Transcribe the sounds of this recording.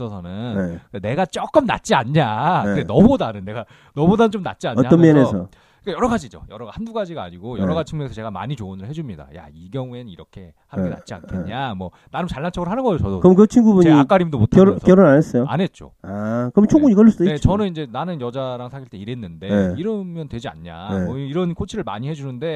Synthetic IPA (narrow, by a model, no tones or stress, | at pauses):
s͈ʌsʰʌnɯnnekene̞ɡat͡ɕ͈ok͈ɯmna̰t̚t͡ɕ͈iaɲɲaenʌbodanɯnːe̞ɡa | nʌbodanɯnt͡ɕomna̰t̚t͡ɕ͈iaɲːaʌmenesʰʌ | ik͈ajʌɾʌɡad͡ʑid͡ʑo̰jʌɾʌɡahanduɡad͡ʑiɡa̰ːɲiɡojʌɾʌɡad͡ʑit͡ɕʰiŋɡuesʰʌt͡ɕe̞ɡama̰ɲit͡ɕoːnɯɭhe̞d͡ʑumɲida̰ja̰iɡjʌŋue̞nɯniɾʌkʰe̞ | hanɡena̰t̚t͡ɕ͈ia̰nkʰeɲamwʌ | nanɯnt͡ɕaɭːant͡ɕʰʌɡɯɭhanɯnɡʌejot͡ɕʌdokɯʌmkɯt͡ɕʰiŋɡubuɲiiak͈aɾimdomotʰakjʌɾnanes͈ʌjoa̰ne̞t̚t͡ɕ͈o̰akɯɾʌmnt͡ɕʰoŋɡuɲikʌɭːs͈ud̥oijet͡ɕʌnɯnind͡ʑe̞nanɯnjʌd͡ʑaɾaŋsʰaɕʰiɭtʰe̞iɾe̞nːɯnde̞iɾɯmjʌntwe̞d͡ʑia̰nɲa̰eʌiɾʌnkʰot͡ɕʰiɾɯɭma̰ɲihe̞d͡ʑunɯnde̞